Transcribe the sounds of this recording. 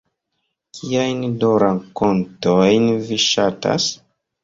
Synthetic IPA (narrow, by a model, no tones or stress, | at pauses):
kʰiajndoɾaŋko̞ntojnviʃata̰s